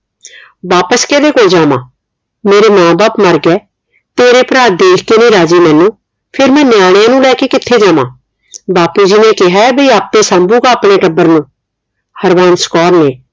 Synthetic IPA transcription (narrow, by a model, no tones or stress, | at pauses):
baːpəskɛːd̪eːkoːld͡ʒaːmã̰ː | meːɾeːmãːbaːpməɾɡɛː | t̪eːɾeːpɾaːɾd̪eːkʰkeːnĩːɾaːd͡ʒiːmɛ̃ːnũː | pʰɪɾmɛ̃ːneaːɽ̃jãːnũːlɛːkeːkɪt̪ʰːeːd͡ʒaːmã̰ː | baːpuːd͡ʒɪnẽːkɪɦaːɛbəiːaːp̚t̪eːsaːmbũːɡaːəpɳeːʈəbːəɾnũː | həɾʋaːnsə̥kɔːɾneː